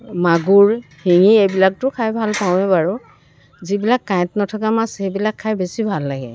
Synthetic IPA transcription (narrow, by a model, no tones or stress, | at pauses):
maɡuɹhiŋiejbilak̚tʊkʰajbʱalpaw̃ɛbaɹʊ | zibilakːajtnɔtʰɔk̬amasejbilakʰːajbesibʱalːaɡɛ̰